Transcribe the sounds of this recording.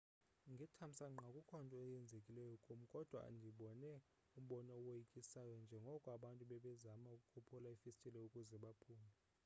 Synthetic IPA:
ŋɡʱitʰam̩saŋ͡ǃakʼukʰɔntʼɔɛjɛnd͡zʱekʼilɛjɔkʼomukʼɔd̥ʱwa̰ŋdʱiɓɔnɛ | um̩ɓɔnɔwejikʼisajɔnd͡ʒʱɛŋɡʱɔkʼwaɓantʼuɓɛɓɛzamaukʼukʰupʰulaifistʼilɛukʼuzɛɓapʰuːmɛ

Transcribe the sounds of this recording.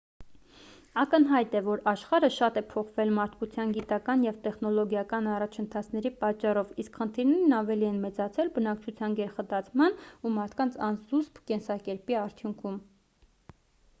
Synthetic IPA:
ɑkənɦɑjt̪ɛvɔɾɑʃχɑɾəʃɑt̪ɛpʰɔχvɛlmɑɾt̪̚ʰkut͡sʰjɑnɡit̪ɑkɑnjɛvt̪ɛχnɔlɔɡjɑkɑnɑrɑt͡ʃʰənt̪ʰɑt͡sʰnɛɾipɑt͡ʃːɑrɔviskχənt̪ʰiɾnɛɾnɑvɛliɛnmɛt͡sɑt͡sʰɛlbənɑkt͡ʃʰut͡sʰjɑnɡɛɾχəd̪ɑt͡sʰmɑnumɑɾt̪ʰkɑnt͡sʰɑnzuspkɛnsɑkɛɾpiɑɾt̪ʰjuŋkʰum

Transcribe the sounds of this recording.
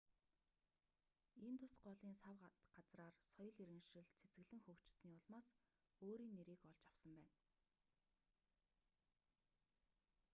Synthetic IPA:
ent̪ʰʊsɢɔɮiːnsawɢat͡sraːrsɔjɞ̆ɮiɾɘ̆ŋʃɘ̆ɮt͡sʰet͡sɡɘ̆ɣɮɘ̆ŋxɵːkt͡ɕɪ̆ɮsniːʊɮmaːs | oːɾiːnːeɾiːkɔɮt͡ɕawsə̆mpæːn

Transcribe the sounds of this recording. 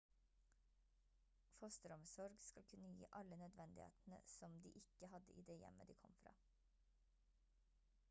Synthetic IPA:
fɔst̪əɾɔmsɔɾɡskɑlkʰʉnəjḭːʔɑlənœd̪ʋɛnd̪ɪhḛːt̪n̩ə̰sɔmd̪iːʔɪkəhɑd̪əʔḭːd̪eːjɛ̰məd̪ḭːkʰɔmfɾɑ̰ː

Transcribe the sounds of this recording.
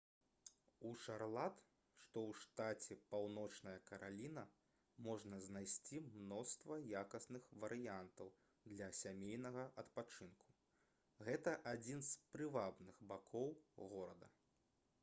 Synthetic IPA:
uʂarlˠat̪ | ʂt̪ɔwʂt̪at͡sʲɛpawnɔt͡ʂnɐjɐkɐɾʔalʲinɐ | mɔʐnɐznajsʲt͡sʲimnɔst̪vɐjakɐsnɨxvɐɾɨjant̪ɐw | d̪lʲɐsʲamʲejnɐɣɐʔɐt̪pat͡ʂɨnku̥ | ɣɛt̪ɐʔad͡zʲinspɾɨvabnɨɣbakʰɔwɣɔɾɐd̪ɐ

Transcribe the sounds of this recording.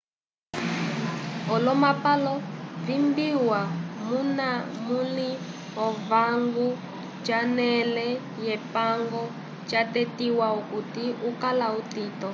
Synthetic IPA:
ɔlɔmapalɔvimbiwamunamuli | ɔvaŋɡu | t͡ʃanɛlɛ | jɛpaŋɡɔ | t͡ʃatɛtiwaukutiukalautitɔ

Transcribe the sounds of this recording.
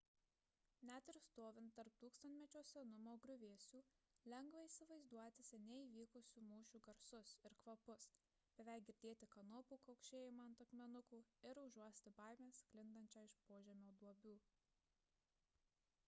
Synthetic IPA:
nʲæt̪ɪɾst̪oːʋʲɪnt̪t̪ɐɾp̚t̪uːkst̪ɐnt̪ʲmʲɛt͡ʃʲoːsʲɛnʊmoːɡɾʲʊʋʲeːsʲuː | lʲɛŋɡʋɐisʲɪʋɐɪzd̪uɔt̪ʲɪsʲɛnʲɛiːʋʲiːkʊsʲuːmuːʃʲuːɡɐɾsʊsɪɾkʋɐpʊs | b̥ʲɛʋʲɛɪɡʲɪɾʲd̪ʲeːt̪ʲɪkɐnoːpuːkɐʊkʃʲeːjɪmɐnt̪ɐkmʲɛnʊkuːɪɾʊʒuɔsʲt̪ʲɪbɑˑɪmʲeːsklʲɪnd̪ɐnʲt͡ʃʲɑːɪʃpoːʒʲɛmʲoːd̪uɔbʲuː

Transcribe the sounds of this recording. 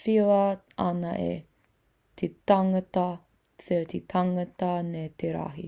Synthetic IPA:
fiwɐ | ɐ̰nɐʔḛ | t̪ʰet̪ɐŋɐtɐ | t͡set̪ʰet̪ʰɐŋɐt̪ɐneːt̪eɾa̰ɦi

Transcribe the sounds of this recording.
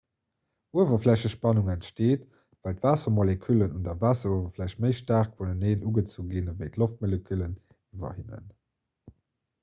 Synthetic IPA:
uəvɐflæɕəʃpɑnuŋæntʃteːt | væltvaːsɐmolekʰylənundɐvaːsɐuəvɐflæɕtməɪʃtaːʁkvoləneːnuɡət͡suːɡinvəɪtloft̚molekʰylən | ivɐ̰hinə̰n

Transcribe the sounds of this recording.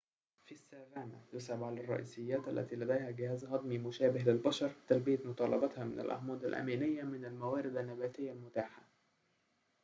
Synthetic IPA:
fisːaːlaːmaj̪ʊsabʕalɑrˤːɑ̰ʔḭːsɪjːæːt̪ʔælːæ̰t̪iːlæd̪æjhæɡɪhæːzɦɑd̪ˤmimʊʃæːbɪhlɪlbɑʃɑɾˤt̪ælbɪjat̪mʊt̪ˤɑːlɑbɑt̪hɑmɪna̰lʔɑ̰hmɑːd̪alʔæ̰miːnɪjːamɪnalmæwæːɾɪd̪anːæbæːt̪ɪjːalmʊt̪aːħa

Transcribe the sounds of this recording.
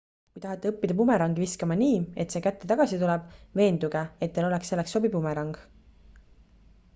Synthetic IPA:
kujt̪ɑɦɑt̪ːeɤpːid̪̥ɑpume̞ɾɑŋɡ̥iviskɑmɑniːe̞t̪se̞ːkæt̪ːe̞t̪ɑɡ̥ɑsit̪ulɛb̥ve̞ːnd̪uɡ̥eet̪̚d̪elo̞leksːe̞lːeksːo̞bipumeɾɑŋɡ̥

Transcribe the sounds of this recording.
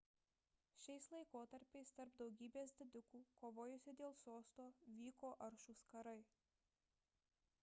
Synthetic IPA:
ʃʲɛɪslˠɐɪkoːt̪ɐɾʲpʲɛɪst̪ɐɾpd̪ɒʊɡʲiːbʲeːsd̪ʲɪd̪ʲʊkuːkoːʋoːjʊsʲɪd̪ʲeːlˠsoːst̪oːʋʲiːkoːʔɐɾʃuːskɐɾɐɪ

